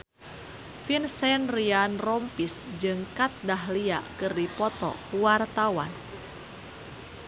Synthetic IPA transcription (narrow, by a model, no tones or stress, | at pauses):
finsɛnrianrɔmpisd͡ʒɨŋkat̪̚daɦlia̰ʔkɨrdipɔt̪ɔ̰wart̪awa̰n